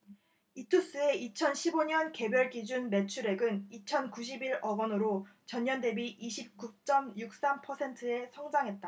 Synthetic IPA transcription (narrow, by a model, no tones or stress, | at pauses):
itʰus͈ɯe̞ʔit͡ɕʰʌnɕʰiboɲʌnke̞bjʌɭɡid͡ʑunme̞t͡ɕʰuɾe̞ɡɯnit͡ɕʰʌnkuɕ̬ʰibiɾʌɡʌnɯɾot͡ɕʌɲːʌnde̞biʔiɕʰip̚kut͡ɕ͈ʌmjuk̚s͈ampʰʌsʰe̞ntʰɯe̞sʰʌŋd͡ʑaŋɦe̞t̚t͈a